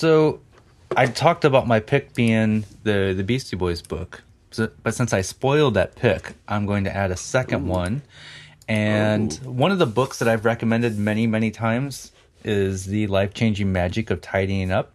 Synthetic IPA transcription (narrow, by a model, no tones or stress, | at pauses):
soʊ | ʔaɪtʰɔk̚təbaʊt̚maɪpʰɪk̚b̥iɪ̃ŋðɨðɨbistibɔɪzbʊk | sb̥ʌtsɪ̃nsaɪspɔɪlˠd̪̚ðɨt̚pʰɪkʔãɪ̃mɡoʊɪ̃ŋtʰɨ̰ʔæɾɨsɛkɨ̃nd̚wʌ̃n | ɨ̃nwʌ̃nʌvðəbʊksðɨɾaɪvɹɛkɨmɛ̃ndɨd̚mɛñimɛñitʰãɪ̃mz̥ | ʔɪzðɨlaɪft͡ʃʰẽɪ̃nd͡ʒɪ̃ŋmæd͡ʒɨkʌv̥tʰaɪɾĩɪ̃ŋʌp̚